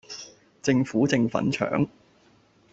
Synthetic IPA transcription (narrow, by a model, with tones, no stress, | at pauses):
t͡sɪ˧ŋfuː˨˥t͡sɪ˧ŋfɐ̰˨˥nt͡ʃʰœ̰ː˨˥ŋ